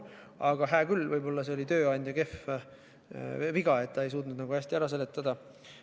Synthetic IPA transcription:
ɑɡ̥ɑɦæːkylːvɤjbo̞lːɑse̞o̞lʲit̪ø̞ːɑjnʲd̪jɑke̞f | viɡɑe̞t̪ːɑe̞js̬uːt̪nud̪nɑɡuæsʲt̪iæɾɑs̬e̞let̪ːˑɑd̪̥ɑ

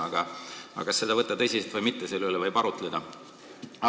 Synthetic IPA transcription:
ɑɡ̥ɑɑ̰kɑsːe̞d̪̥ɑvɤt̪ˑːɑt̪ɤjsiset̪vɯjmit̪ːeselːylevɯjpɑɾut̪ˑled̪ɑ

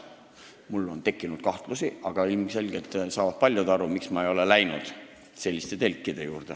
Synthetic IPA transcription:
mulːo̞nt̪e̞kːˑinud̪̥kɑht̪lusiʔɑɡ̥ɑilmse̞lɡ̥e̞lt̪sɑːvɑt̪̚pɑlʲjud̪ɑɾumiksmɑejo̞le̞læjnud̪̥ | se̞lʲːist̪e̞t̪e̞lʲkːˑid̪̥e̞juːrd̪̥e̞

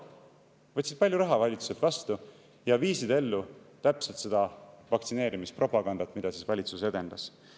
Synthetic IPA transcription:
vɤt̪ʲsid̪̥pɑlʲjuɾɑɦɑvɑlʲit̪su̥se̞lt̪vɑst̪u | jɑviːsid̪e̞lːut̪æpse̞lt̪se̞d̪̥ɑvɑkt̪sine̞ːɾimispro̞pɑɡ̥ɑnd̪̥ɑt̪mid̪ɑsisvɑlʲit̪suse̞d̪̥e̞nd̪̥ɑs

